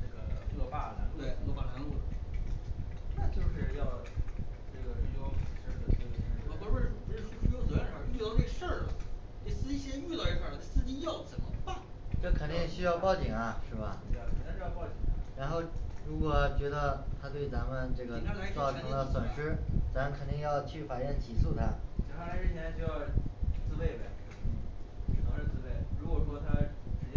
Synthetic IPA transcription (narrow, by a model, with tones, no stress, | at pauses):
ʈ͡ʂɤ˥˩ɡə˩˧ɔ˧pa˥˩a̰˧˥˩e˥˩˧o˥˧pa˥˩kʰa˧˥ŋu˥˩ | na˥˧t͡ɕjo˥˧ʊʂɻ̩˥˧jɑ˥˧ʊ | ʈ͡ʂɤ˥˩ɡə˩i˥˩lwɑ˥ʊ˨˩ʂə˥˩d̪ə˧˩ə˥˩ə˧˩ɕi˧˥ŋʂ̩˥˧˥ɔ˧˥˩pʈ͡ʂ̩˥ʂʂ̩˥˧o˥t͡s̩˨˩a˥˧n˧˥˩a˥˧˥y˥˧˥ɑ˥˧˦ke˥˧ʂə˥˩lə˩ | ke˥˩ɪsɹ̩˥t͡ɕi˥ɕy˥˧t̪ɑ˥˧ʊi˥˩fa˥˩˧k̪e˥˩sɹ̩˥t͡ɕi˧˥jɑ˥˩ʊt͡sə˨˩mə˦pa˥˩ | ʈ͡ʂɤ˥˩kʰə˨˩nt̪i˥˧ŋ˩ɕy˥jɑ˥˧ʊpɑ˥˧ʊt͡ɕi˨˩ŋɐ˦ʂɻ̩˥˩bɐ̰˩˧˩kʰə˨˩n˥˧t͡ɕo˥˧jɑ˥˧pɑ˥˧˩ʊt͡ɕi˨˩ŋɐ˦ɻa˧˥nxo˥˩ʊɻu˧˥kwɔ˨˩t͡ɕɥɛ˧˥d̪ə˧t̪ʰa˥t̪we˥˩ɪt͡sa˧˥mə˧nʈ͡ʂɤ˥˩ɡə˩t͡sɑ˥˩ʊʈ͡ʂʰɤ˧˥ŋlə˧swə˨˩nʂɻ̩˥t͡sa˧˥mə˧nkʰə˨˩nt̪i˥˧ŋjɑ˥˧ʊt͡ɕʰy˥˩fa˨˩jɛ˥˩nt͡ɕʰi˨˩su˥˩t̪ʰa˥t͡ɕʰi˧˥xa˥˩a˧˥ɻ̩˥˩˥t̪ʰjɛ˥nt͡ɕo˥˧ʊjɑ˥˧ʊt͡sɹ̩˥pe˥˩ɪbe˨˩ | i˨˩nʰɑ˧˥ŋʂ̩˥˧t͡sɹ̩˥pe˥˩ɪɻu˧˥kwɔ˨˩ʂwɔ˥t̪ʰa˥ʈ͡ʂɻ̩˧˥t͡ɕ